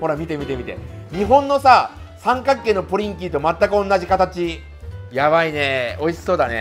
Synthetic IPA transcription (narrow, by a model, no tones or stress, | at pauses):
ho̞ɾamʲit̪e̞mʲit̪e̞mʲit̪e̞̰ɲ̟iɦõ̞nːo̞sa | sãŋkakːe̞ːnːo̞poɾʲĩŋkʲiːt̪o̞mat̪ːakɯ̟õ̞nːaʑikat̪at͡ɕi | jaβaine̞o̞iɕi̥so̞ːd̪anḛ